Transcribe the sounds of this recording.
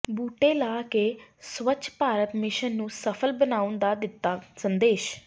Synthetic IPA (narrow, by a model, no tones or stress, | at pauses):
buːʈeːlaːkeːsʋət͡ʃpaːɾət̪mɪʃənːũːsəpʰəlbənaːʊnd̪aːd̪ɪt̪ːaːsənd̪eːʃ